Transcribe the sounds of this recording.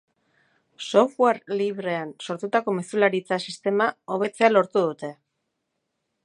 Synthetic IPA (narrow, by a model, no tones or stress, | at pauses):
so̞fweɾliβ̞ɾe̞anso̞ɾt̪ut̪ako̞me̞sulaɾit͡sasist̪e̞mao̞β̞e̞t͡se̞alo̞ɾt̪uðut̪e̞